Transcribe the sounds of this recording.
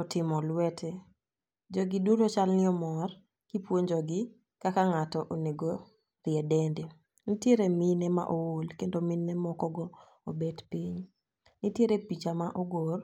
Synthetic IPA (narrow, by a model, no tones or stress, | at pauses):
ɔtɪmɔlwɛtʰɛ | d͡ʒɔɡiduɾot͡ʃalnɪɔmɔr | kipwoɲd͡ʒɔɡɪ | kakaŋatɔʔoneɡo | rɪɛdɛnde | nitjeɾeminɛma̰ʔowolkendomɪnːɛmɔkɔɡɔ | obedpiɲ | nɪtjeɾepit͡ʃamaʔɔɡor